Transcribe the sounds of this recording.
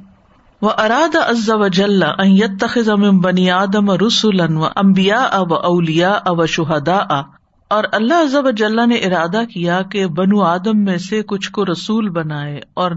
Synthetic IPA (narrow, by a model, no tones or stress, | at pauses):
wɐʔɐɾaːd̪aʔɐzːɐʋɐd͡ʒɐlːaʔɐ̃njɐt̪ːɐxɪzamɪ̃mbɐniːaːd̪ɐmɐɾʊsʊlɐnʋɐ̰ʔɐ̃mbɪjaːʔɐwɐʔɐwlɪjaːʔawɐʃʊɦɐd̪aːʔa | ɔːɾɐlːaɦɐzːɐʋɐd͡ʒɐlːaneʔɪɾaːd̪akijakebɐnuaːd̪əmːẽsekʊt͡ʃʰkoɾɐsuːlbɐnaːeɔːɾ